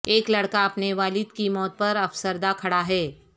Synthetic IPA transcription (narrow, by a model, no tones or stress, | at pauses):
eːklɐɽkaɐpneʋaːlɪd̪kimɔːt̪̚pɐɾɐfsəɾd̪akʰɐɽaɦɛː